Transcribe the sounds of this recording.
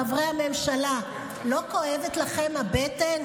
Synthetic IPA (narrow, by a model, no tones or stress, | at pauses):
avʁejame̞mʃala | lo̞ko̞ʔevet̪laχe̞mhabeten